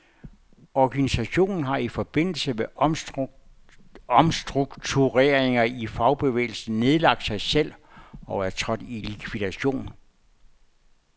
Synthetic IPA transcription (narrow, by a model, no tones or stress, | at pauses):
ɒɡ̥ænisæɕo̝̰ːnn̩ɦɑ̈ifɒ̽b̥e̝n̰l̩səme | ɒmsd̥ʁuɡ̥t͡sʰuʁeːɐ̰eŋɐifɑ̈ʊb̥e̝ʋḛːɪl̩sn̩ne̝ð̞ˠlɑ̈ɡ̥̚d̥sɑ̈ɪsel̰ɒ̽æɐt͡sʰʁɒd̥ilikʰʋiðˠæɕo̝̰ːn